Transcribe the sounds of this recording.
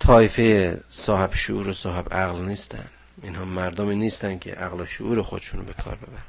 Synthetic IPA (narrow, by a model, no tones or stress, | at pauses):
t̪ʰɒːifejesɒːheb̥ʃuʔuːɾosɒːɦebæɣlniːst̪ʰæ̰n | inhɒːmæɾd̪omiːniːst̪æn̥kʲʰḛʔæɣloʃoʔuːɾexod̪eʃunbe̞kʰɒ̰ːɾbe̞bæɾ